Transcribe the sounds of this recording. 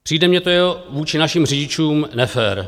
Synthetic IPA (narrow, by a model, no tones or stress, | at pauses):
pr̥iːdɛmɲɛt̪ojɛɦovuːt͡ʃɪnaʃɪmr̝ɪɟɪt͡ʃuːmnɛfɛɾ